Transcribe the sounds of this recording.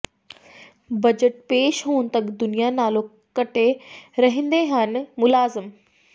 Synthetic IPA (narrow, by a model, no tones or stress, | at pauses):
bɐd͡ʑəʈ̚peːʃɦoːnɪ̆t̪ɐkd̪ʊnijanaːlo | kɐʈeɾɐɦɪ̃nd̪eɦan̆mʊlaːzɪm